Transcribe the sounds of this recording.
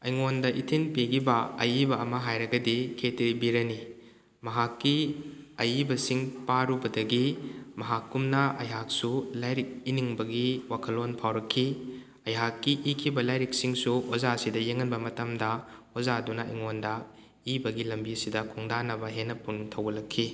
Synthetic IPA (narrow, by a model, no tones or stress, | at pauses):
ɐjŋondɐʔitʰinpiɡʰibɐɐjibɐɐmɐɦajɾɐɡɐdikʰeteɾibiɾɐni | mɐɦakːiɐjibɐsiŋpaɾubɐdɐɡimɐɦakːumnɐʔɐ̰jɦak̚sulajɾik̚iniŋbɐɡiwakʰɐlonpʰawɾɐkʰːi | ɐjɦakːiʔikʰibɐlajɾik̚siŋsuozasidɐjeŋːɐnbɐmɐtɐmdɐozadunɐiŋondɐ | ibɐɡilɐmbisidɐkʰuŋdanɐbɐɦenːɐpuntʰɐwɡɐlɐkʰːi